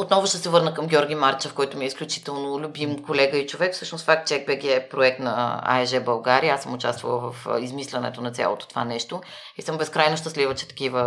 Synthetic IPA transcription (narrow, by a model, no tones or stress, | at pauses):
ot̪nɔvʊʃt̪ɛsɛvɤɾnəkɐmɡʲɔɾɡʲimaɾt͡ʃəfkɔjt̪omiɛisklʲut͡ʃi̥t̪ɛlˠnolʲʊbimkolɛɡəit͡ʃovɛkfsɤʃnosfak̚t̪̚t͡ʃɛɛɡ̚bɛɡʲɛɛpɾoɛk̚t̪nɐa̰ɛʒɛbɐlˠɡaɾiəasəmʊt͡ʃa̰st̪vɐ̰lˠvəfizmislʲɛnɛ̰t̪onɐt̪sʲja̰lˠo̰t̪o̥t̪ova̰nɛʃt̪o | isɤmbɛskɾajnoʃt̪əslʲivət͡ʃɛ̥t̪ɐ̥kʲivə